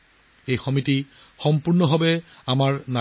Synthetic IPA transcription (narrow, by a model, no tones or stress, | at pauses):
ejxɔmiti | xɔmpuɹnɔbʱabɛamaɹna